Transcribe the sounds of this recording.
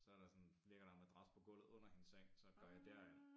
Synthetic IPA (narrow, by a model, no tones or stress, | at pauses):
sɒ̽æɐɾ̥ɑ̈sɒ̽nle̝ɡ̥ɐɾ̥ɑmed̥ʁɑ̈spʰɒ̽ɡ̥ɔ̽l̰ð̩ˠɔ̽n̰ɐhe̝nseŋ̰sɒ̽ɡ̥ɶɐ̰jɑ̈ɪd̥æɐ̰en